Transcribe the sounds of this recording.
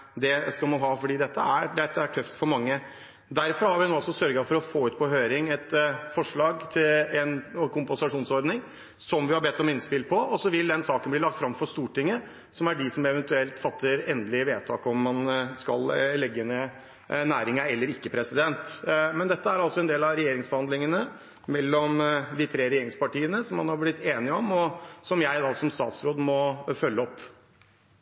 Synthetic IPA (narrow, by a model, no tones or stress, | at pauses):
d̪ɛskɑlmɑnɦɑːfɔɖiːd̪ɛt̪ːəæɾd̪ɛt̪ːəæʈʰœft̪fɔɾmɑŋːə | d̪æɾfɔɾhɑɾʋɪnoːɑlsɔsœɾɡɑfɔɾɔfoːʉːt̪pʰɔɦøːɾɪŋɛt̪fɔʂɭɑːɡt̪ʰɪlɛnkʊmpənsɑʂuːnsɔɾd̪nɪŋ | sɔmʋɪhɑɾbɛt̪ːɔmɪnspɪlpʰɔʔɔsɔʋɪld̪ɛnsɑːkənblɪɭɑkt̪fɾɑmfɔʂt̪uːʈɪŋːə | sɔmæɖɪsɔmɛʋɛnt̪ʉɛlt̪fɑt̪ʰːəɾɛnd̪əlɪʋeːt̪ʰɑ̰ːkɔmːɑnskɑ̰llɛɡːəne | næːɾɪŋɑɛlːəɾɪkːəpʰɾɛsɪd̪ɛnt̪mɛnd̪ɛt̪ːəæɾɑlsɔɛnd̪eːlɑɾɛjeːɾɪŋsbəhɑnd̪lɪŋənə | mɛlːɔmd̪ɪt̪ʰɾeːɾɛjeːɾɪŋspɑʈiːənəsɔmhɑnhɑɾblɪt̪ːeːnɪɔmɔsɔmjæɪd̪ɑsɔmst̪ɑ̰ːt̪sɾoːd̪mɔfœlːəɔpː